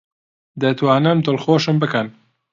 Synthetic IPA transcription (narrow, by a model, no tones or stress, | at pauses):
d̪ɐt̪waːnɐmt̪ɨlxoːʃəmbɨkɐn